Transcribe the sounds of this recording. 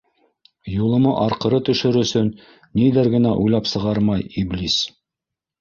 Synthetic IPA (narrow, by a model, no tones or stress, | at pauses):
julˠɤ̆mɤʔɑɾqɤ̆ɾɤt̪ɵ̆ʃɵɾɵ̆sɵnː | iðɘɾɡɘ̆næʔujlˠɑpsɤ̆ʁɑɾmɑjiblis